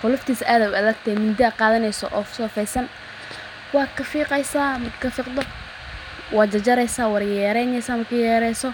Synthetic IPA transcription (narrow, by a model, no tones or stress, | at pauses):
qʊlʊft̪ʰiːsʔaːðɐʊʔɐðɐɡ̚t̪ʰɛmʊnd̪iaːqɑːðɐnɛjsɔ̰ʔɔːfsɔːfɛjsɐn | wɑːkʰɐfiːqɛjsaːmɐkʰɐfiːqd̪ɔ | wɑːd͡ʒɐd͡ʒɐɾɛjsaːwɐrjɛːɾɛjnɛjsaːmɐkʰɐjɛːɾɛjsɔ